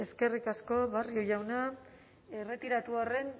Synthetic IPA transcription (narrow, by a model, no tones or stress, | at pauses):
e̞ske̞rikasko̞βariojawna | e̞re̞t̪iɾat̪uare̞n